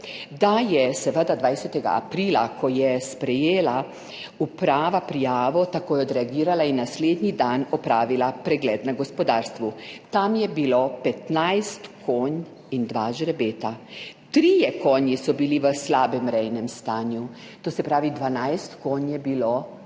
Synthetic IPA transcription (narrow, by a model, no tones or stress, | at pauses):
d̪ajɛsɛʋəd̪ad̪ʋajsɛt̪ɛɡa̰a̰pɾilakʰɔjɛspɾɛjeːla | upɾaːʋapɾijaːʋɔt̪akoːjɛɔd̪ɾɛaɡiːɾalainːasleːd̪nid̪anɔpɾaːʋilapɾɛɡlɛːd̪naɡɔspɔd̪aːɾst̪ʋut̪amjɛbilopɛt̪najst̪kʰoːn | ind̪ʋaʒɾɛbeːt̪at̪ɾiːjɛkoːnjisɔbiliʋəslaːbɛmɾɛjnɛmst̪aːnju | t̪oːsɛpɾaːʋid̪ʋanajst̪koːnjɛbiloː